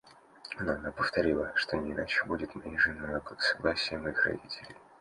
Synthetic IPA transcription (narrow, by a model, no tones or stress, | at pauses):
ɐnaɐnapəft̪ɐɾʲilˠəʂt̪onʲɪːnat͡ɕɪbudʲɪt̪mʲeʐɨnɐnəkəɡə̥sɐɡlˠasʲɪjəmɐixrɐ̰dʲitʲɪlʲɪj